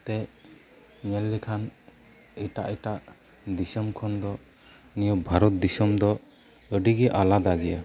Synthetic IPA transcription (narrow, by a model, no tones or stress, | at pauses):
t̪ɛ | ɲɛlːikʰan | ɛʈa̰ʔɛʈaʔ | d̪isɔmkʰɔnd̪ɔ | nijɔk̚bʱaɾɔt̪̚d̪isɔmd̪ɔ | əɖiɡɛʔalad̪aɡɛja